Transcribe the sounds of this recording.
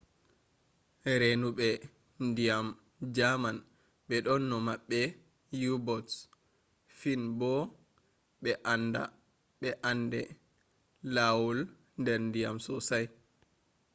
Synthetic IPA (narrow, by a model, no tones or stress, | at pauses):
ɾenuɓɛ | ndijam | d͡ʒaman | ɓɛɗɔnːɔmaɓːɛ | jubɔts | finbɔ | ɓɛʔanːda̰ | ɓɛʔandɛ | lawul | ndɛɾndija̰msɔsaj